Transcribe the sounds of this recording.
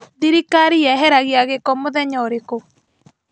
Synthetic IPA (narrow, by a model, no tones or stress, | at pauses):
ðiɾikaɾiɛɦɛɾaɣeaɣekɔmoðɛɲɔɾeko